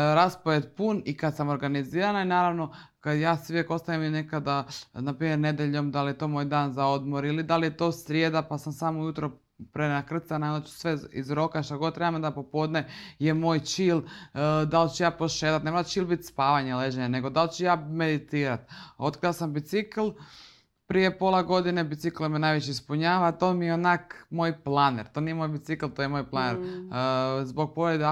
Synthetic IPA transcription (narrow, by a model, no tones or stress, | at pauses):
ɾaspoʋet̪punikad̪samo̞ɾɡaniziːɾanainaːɾaʋno̞kad̪jaːsijeko̞st̪aʋimine̞kad̪anapɾiːmjeɾne̞d̪jeʎo̞md̪alijet̪o̞moːjd̪aːnzao̞d̪moɾilid̪alijet̪o̞ːsɾʲjed̪apasamsamoujut̪ɾo | pɾenakr̩t̪sanajd̪at͡ʃsʋeizɾo̞kaʃt̪aɡod̪̚t̪ːɾebamod̪apo̞po̞d̪nejemoːjt͡ʃiːld̪alt͡ɕejaːpoʃeːt̪at̪nemoɾat͡ʃiːlˠbit̪spaːʋaɲeleʒeɲane̞ɡo̞d̪alt͡ɕɛjaːmed̪it̪iːɾat̪o̞t̪kɾiasambit̪sikl̩ˠ | pɾije̞po̞lˠaɡo̞d̪inebit̪siklemenaːjʋet͡ɕeispuɲaːʋat̪oːmijeonakmoːjplˠaneɾt̪o̞ːnijemojbit̪siklˠt̪ojemoːjplˠaneɾ | zbo̞ɡ̚poɾed̪